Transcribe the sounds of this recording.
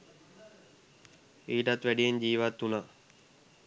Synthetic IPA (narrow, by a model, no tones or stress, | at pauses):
iːʈat̪ʋæɖijeɲd͡ʒiːʋat̪ːuna